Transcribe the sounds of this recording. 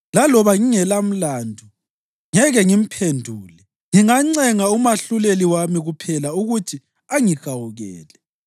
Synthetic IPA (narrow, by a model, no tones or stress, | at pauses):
lalɔβaŋiŋɛlam̩landʱu | ŋɛɣɛŋim̩pʰendʱuːlɛ | ŋiŋaŋ͡ǀɛŋaumaɬuleliwamiɣupʰɛlauɣutʰi | aŋiɣ̥awuɣɛ̰ːlɛ